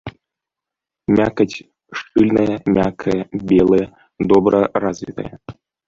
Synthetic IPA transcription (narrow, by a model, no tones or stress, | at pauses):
mʲakɐt͡sʲ | ʂt͡ʂɨlʲnɐjɐmʲakʰɐjɐbʲelˠɐjɛ | d̪ɔbɾʔɐrazʲvʲit̪ɐ̰jɐ